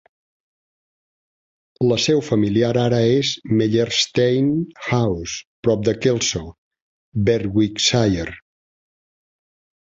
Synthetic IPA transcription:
ləsɛwfəmiliaɾaɾəezmeʎeɾst̪ejnxawspɾɔp̚d̪əkelˠso | bɛɾwiksajəɾ

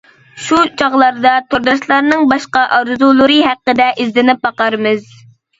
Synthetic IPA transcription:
ʃut͡ʃʰɑʁlˠɑɾd̪ɑt̪ʰoɾd̪ɑʃlˠɑɾnɨŋbɑʃqɑʔɑɾzulˠɨɾɨɦæqːəd̪ɛʔizlɪnɪp̚bɑqɑɾmɨz̥

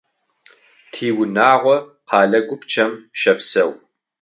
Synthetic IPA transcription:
tʰiːwʊnaːʁʷɔ | qʰɑːɮɐɡʷʊpʰt͡ʃʰɐmʃɐpsɐw

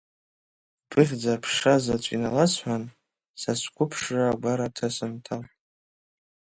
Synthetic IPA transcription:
bʰɨχʲd͡zapʰʂazat͡ɕʷʼḭnalasʰħʷan | sasʷkʷʰʼʊpʰʂraɡʷaɾatʰasɨntʰal

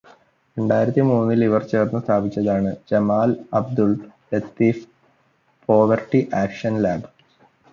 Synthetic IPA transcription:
ɾe̞ɳɖaːjiɾɐt̪ːimuːnːiliʋɐrt͡ɕe̞ːrnːust̪ʰaːbit͡ɕʲːɐðaːɳɨd͡ʑɐmaːlɐb̚d̪ulɾet̪ːiːf | po̞ːʋɐrʈiʔaːkʂɐnlaːb

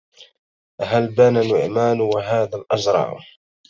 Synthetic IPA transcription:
ʔɦalbananʊʕmaːnwaɦaːðalʔɑzɾˤɑ̰ʕ̰

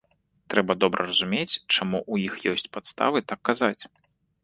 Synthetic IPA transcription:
t̪ɾɛbɐd̪ɔbɾɐrɐzumʲet͡sʲt͡ʂamuʔujixjɔsʲt͡sʲpat̪st̪a̰vɨt̪akːazat͡sʲ

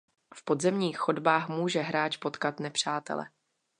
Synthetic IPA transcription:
fpo̞dzɛmɲiːxxo̞dbaːxmuːʒɛɦɾaːt͡ʃpo̞t̪kat̪nɛpr̝̥aːt̪ɛ̰lɛ̰

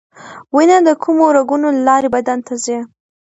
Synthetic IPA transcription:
winad̪əkʰumoɾaɡunolalɑɾebad̪ant̪aze

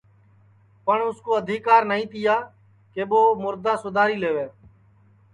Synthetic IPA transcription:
pəɳʊskoːəd̪ʱiːkaːɾnəĩːt̪ɪjaː | keːɓoːmʊɾd̪aːsʊd̪ʱaːɾiːleːʋeː

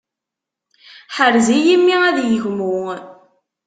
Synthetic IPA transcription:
ħəɾzijimːiæðjəʝmu

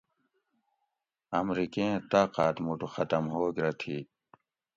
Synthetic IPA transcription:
ɐmɾikeẽt̪aːqaːt̪muʈuxɐt̪ɐmɦoːɡɾɐt̪ʰiː

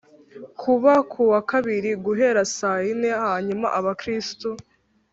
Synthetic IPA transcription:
kʰuβakʰuwakaβiɾiɡuɦe̞ɾasajine̞haːɲuma̰ʔaβakɾisto

